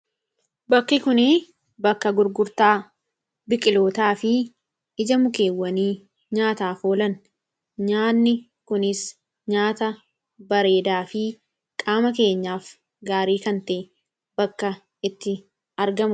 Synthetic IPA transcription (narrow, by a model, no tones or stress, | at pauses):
bɐkːɪkʊneː | bɐkːɐɡʊɾɡʊɾt̪aː | bɪkʼɪlo̞ːt̪aːfɪ | ɪd͡ʒɐmʊke̞ːwːɐniː | ɲaːt̪aːfoːlɐn | ɲaːnːɪ | kʊnɪs | ɲaːt̪ɐ | bɐɾe̞ːd̪aːfɪ | kʼaːmɐke̞ːɲːaːf | ɡaːɾiːkɐnt̪eː | bɐkːɐ | ɪt̪ːɪ | ɐɾɡɐmʊ